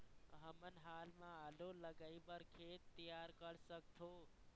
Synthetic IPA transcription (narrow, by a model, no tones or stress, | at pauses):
ɦəmənɦaːlmãaloləɡəibəɾkʰeːt̪ːijaːɾkəɽsəkt̪ʰoː